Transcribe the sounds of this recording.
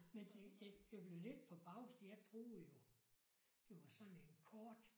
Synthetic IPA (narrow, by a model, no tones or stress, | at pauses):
mend̥ejjab̥le̝ʊle̝d̥fɒ̽b̥ɑ̈ʊsd̥jɑ̈ɪt͡sʰʁo̝̰ːjo̝ | d̥e̝ʋɑ̈sɒ̽nn̩enkʰɒːd̥